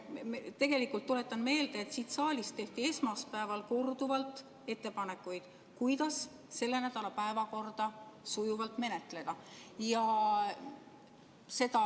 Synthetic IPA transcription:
mt̪e̞ɡ̥e̞likult̪ːole̞t̪ːˑɑnme̞ːld̪̥eet̪siːt̪sɑːlʲist̪ːe̞ht̪ie̞smɑspæevɑlko̞rd̪̥uvɑlt̪ˑ | e̞t̪ːe̞pɑnekːˑujd̪̥ | kujd̪̥ɑs | se̞lːe̞næd̪̥ɑlɑpæevɑko̞rd̪̥ɑsujuvɑlt̪me̞ne̞t̪le̞d̪̥ɑjɑ | se̞d̪ɑ

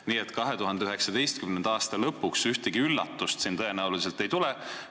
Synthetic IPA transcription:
niːet̪kɑɦe̞t̪uɦɑnd̪eyɦe̞ksɑd̪e̞jst̪̚kymnend̪̥ɑːst̪ɑlɤpːuksyht̪eɡ̥iylːɑ̰t̪ːˑust̪sint̪ɤe̞næulis̬elt̪ˑe̞jt̪ule

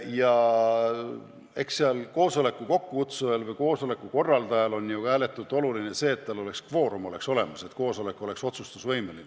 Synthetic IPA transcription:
jɑ | e̞ksseɑlko̞ːso̞le̞kːˑuko̞kːukut̪suelvɤjko̞ːso̞le̞kːˑuko̞rːɑld̪ɑjɑlo̞nʲjuæːle̞t̪ːˑult̪ːˑo̞luline̞se̞ːt̪ːælo̞le̞kskvo̞ːɾumo̞le̞kso̞le̞̰mɑse̞t̪ko̞ːso̞le̞kːˑuo̞le̞kso̞t̪sust̪usvɤjmeline

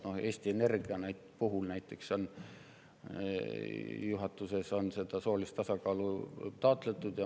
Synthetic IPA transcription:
no̞he̞ːsʲt̪iene̞rɡ̥iɑnæjt̪puɦulnæjt̪ːˑe̞kso̞n | juɦɑt̪ːˑuse̞so̞nse̞d̪̥ɑso̞ːlist̪ɑsɑkɑːlut̪ɑːt̪ˑle̞t̪ːˑud̪̥jɑ

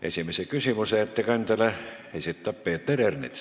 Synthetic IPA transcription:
ʔḛsimesekysimyseet̪ːækɑnt̪ælæhesit̪t̪ɑpːeːt̪eɾernḭt̪

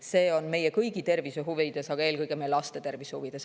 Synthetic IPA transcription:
se̞ːo̞nme̞jekɤjɡit̪e̞rviseɦuvid̪̥e̞sɑɡ̥ɑe̞ːlkɯjɡ̥emejllɑst̪e̞t̪e̞rvishuvid̪̥e̞s

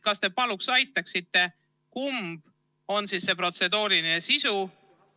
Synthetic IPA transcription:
kɑst̪e̞pɑluksɑjt̪ːˑɑksit̪ːˑe̞ | kumb̥ | o̞nsisːe̞pro̞t̪se̞d̪uːlinesisu

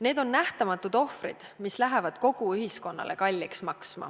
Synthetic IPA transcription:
ne̞ːd̪̥o̞nːæht̪ɑmɑt̪ːˑud̪̥o̞hfrḭd̪̥mislæɦevɑd̪̥ko̞ɡ̥uyhisko̞nːɑ̰lʔe̞̰kɑlʲːiksmɑksmɑ̰

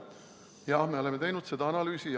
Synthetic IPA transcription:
jɑhme̞o̞le̞me̞t̪e̞jnud̪̥se̞d̪̥ɑɑnɑlyːsi

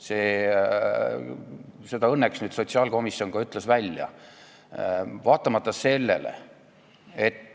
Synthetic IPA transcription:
se̞ː | se̞d̪̥ɑɤnːeksnyːd̪̥so̞t̪siɑːlko̞misjo̞nɡ̥ɑyt̪ːˑlesvælʲjɑ̰ | vɑːt̪ːˑɑmɑt̪ːˑɑse̞lːḛlḛ | et̪ːˑ

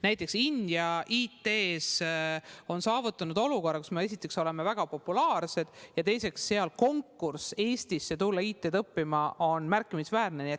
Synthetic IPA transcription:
næjt̪ːˑe̞ksinʲd̪̥jɑʔiːt̪ːe̞ːs | o̞nsɑːvut̪ːˑɑnud̪o̞lukorːɑkusmee̞s̬ʲit̪ːˑe̞kso̞le̞mevæɡ̥ɑpo̞pːˑulɑːrse̞d̪̥jɑt̪e̞jse̞ksːe̞ɑlko̞ŋkːurse̞ːsʲt̪isːe̞t̪ulːɑiːt̪ːˑe̞t̪ɤpːimɑo̞nmærkːˑimisvæːrne̞niet̪

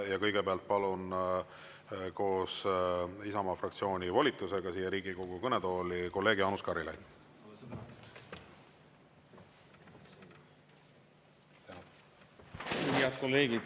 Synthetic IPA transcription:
jɑkɤjɡ̥epeɑlt̪̚pɑlun | ko̞ːs | isɑmɑfrɑk̚t̪sio̞ːnʲivolʲit̪ːˑuse̞ɡ̥ɑsiːjeɾiːɡiko̞ɡ̥ukɤnet̪o̞ːliko̞lːe̞ːɡ̥ɑːnuskɑɾilɑ̰jd̪̥ | t̪æ | uhiɑd̪̥̚kolːe̞ːɡid̪

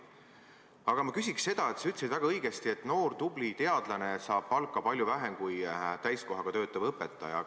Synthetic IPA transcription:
ɑɡ̥ɑmɑkysʲiksse̞d̪̥ɑe̞t̪syt̪ːˑsid̪væɡ̥ɑɤjɡ̥e̞st̪ie̞t̪ːˑno̞ːrd̪ub̥lit̪e̞ɑd̪̥lɑne̞sɑːb̥pɑlkːˑɑpɑlʲjuvæɦemkujt̪æjsko̞ɦɑɡ̥ɑt̪ø̞ːt̪ːˑɑvɤpːet̪ːˑɑ̰jɑ̰

